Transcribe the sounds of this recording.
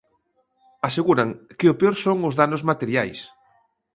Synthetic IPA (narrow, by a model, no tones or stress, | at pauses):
aseɣuɾaŋkɪopeoɾsoŋʊzðanʊzmat̪eɾjajs